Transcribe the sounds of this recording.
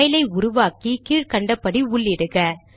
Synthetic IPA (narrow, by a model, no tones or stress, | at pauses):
jɪlɐɪʊɾʊʋaːkikiːɻkɐɳɖɐpːɐɽiʊɭːɪɽɯɣɐ